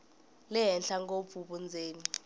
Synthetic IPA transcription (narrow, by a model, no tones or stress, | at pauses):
lɛɦɛnɬaŋɡob̪vfuɓund͡zʱeːni